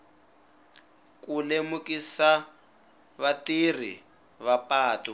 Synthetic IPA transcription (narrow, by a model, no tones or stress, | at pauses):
kunemukisa | βatir̤ḭ | βapaːtu